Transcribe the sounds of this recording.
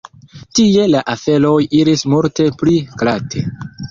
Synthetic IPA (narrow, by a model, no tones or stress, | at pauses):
tie̞laʔafe̞lo̞jiɾismuɾte̞pliklatʰe̞̰